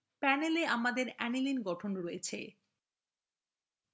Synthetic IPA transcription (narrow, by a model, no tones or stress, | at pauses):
pɛneleamad̪eɾɛnilinɡɔʈʰonɾoet͡ɕʰḛ